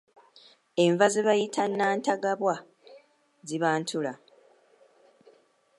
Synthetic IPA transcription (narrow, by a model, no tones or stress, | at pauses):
e̞ɱvazeβajitʰanːaːntaɡaβwa | ziβaːntʰula